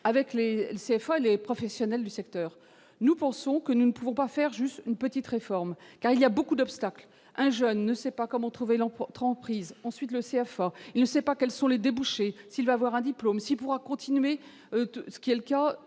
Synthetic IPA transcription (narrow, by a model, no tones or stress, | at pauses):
avɛkleleseɛfaelepχɔfɛsjɔnɛld̪ysɛk̚t̪œːʁ | nupɑ̃sɔ̃kənunəpuvɔ̃pafɛʁʒyst̪ynpət̪it̪ʁefɔʁmkaʁiliabokud̪ɔpst̪akl | ɛ̃ʒœnːəsɛpakɔmɑ̃t̪χuvɛlɑ̃t̪χɑ̃pχizɑ̃sɥit̪ləseɛfailnəsɛpakʲɛlsɔ̃led̪ebuʃesilvaːvwaʁɛ̃d̪iplomsilpuʁakɔ̃t̪ʰinɥe | øsə̥kʲiɛləka